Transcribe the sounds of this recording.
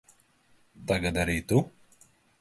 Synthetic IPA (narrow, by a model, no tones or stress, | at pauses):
t̪aɡad̪aɾit̪u